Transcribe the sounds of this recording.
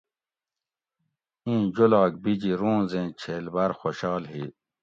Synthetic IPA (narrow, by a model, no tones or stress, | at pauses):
ĩːd͡ʑolak̚bid͡ʑiɾũːzẽːt͡ɕʰeːlbaːɾxoɕaːlɦi